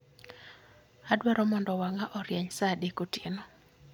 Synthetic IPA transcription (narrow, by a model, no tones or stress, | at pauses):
adwɛɾɔmɔndɔwaŋaʔɔɾjɛɲsadekotjenɔ